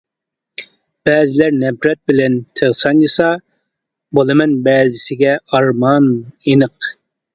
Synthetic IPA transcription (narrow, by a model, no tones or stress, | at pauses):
b̥ɛːzɪlæɾnɛbɾɛt̪̚bɪlɛnt̪ʰəʁsɑnjɨsɑ | bolˠɨmɛnbɛːzɪsɪɡʲɛɑɾmɑnjenɨq